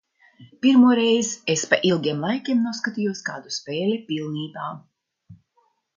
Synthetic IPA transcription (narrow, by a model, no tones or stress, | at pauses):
piɾmuɔɾejzespaʔilˠɡʲiɛmlˠajkʲiɛmnuɔskat̪ijuɔskaːd̪uspʲeːlʲipʲilˠniːbaː